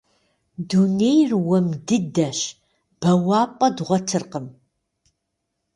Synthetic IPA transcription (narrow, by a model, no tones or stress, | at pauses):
dunejrwɐmdɨdɐɕ | b̥ɐwaːpʼɐdʁʷɔtʰɨrqəm